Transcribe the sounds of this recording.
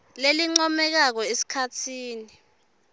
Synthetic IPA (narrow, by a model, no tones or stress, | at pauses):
leliŋ͡ǀɔmɛk̬ak̬ɔesi̥kʰatʰiːni